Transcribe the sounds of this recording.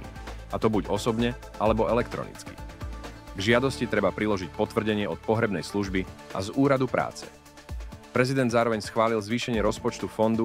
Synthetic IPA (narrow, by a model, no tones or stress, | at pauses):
at̪ɔbuɟɔsɔbɲɛ | ʔalɛbɔɛlɛkt̪ɾɔ̰nḭt͡ski̥̰ | ɡʒɪad̪ɔscit̪ɾɛbapɾilɔʒic̚pɔt̪ʋr̩ɟɛɲɪɛɔt̪̚pɔɦɾɛbnɛjsluʒbiʔa̰zuːɾad̪upɾa̰ːt͡sɛ̥̰ | pɾɛzid̪ɛnd̪zaːɾɔʋɛɲsxʋaːlilzʋiːʃɛɲɪɛɾɔspɔt͡ʃt̪ufɔnd̪u